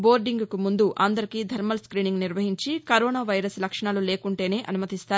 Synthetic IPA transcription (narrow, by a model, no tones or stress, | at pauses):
bo̞ːɾɖiŋɡkumund̪uʔʔa̰nd̪ɐɾikiːd̪ʱɐɾmɐlskɾiːniŋɡniɾʋɐɦiɲt͡ʃikɐɾoːnaːʋɐjɾɐslɐkʂɐɳaːlule̞ːkuɳʈe̞ːne̞ːʔɐnumɐt̪ist̪aː